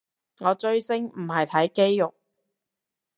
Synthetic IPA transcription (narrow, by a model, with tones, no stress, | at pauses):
ŋɔː˨˧t͡ʃɵ˧ɥsɪ˥ŋm̩˨˩hɐ˨jt̪ʰɐ˨˥jke˥jːʊ˨k̚